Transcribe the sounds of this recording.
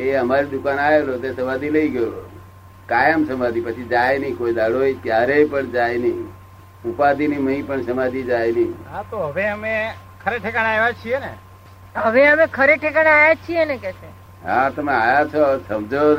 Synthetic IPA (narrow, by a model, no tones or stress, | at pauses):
eəmaɾid̪ukanaelot̪esəmãd̪iləiɡəjoo | kajəmsəmad̪ipət͡ʃʰid͡ʒajnəikoid̪aɽoekjaɾepəɳd͡ʒajnəi | upad̪iniməipəɳsəmad̪id͡ʒajnəɦãt̪oɦəʋeəme | kʰəɾeʈʰekaɽajʋat͡ʃʰiene | ɦəʋeəmekʰəɾeʈʰekaɽajat͡ʃʰienekɛʃʰe | ɦãt̪əmeajat͡ʃʰosəmd͡ʒo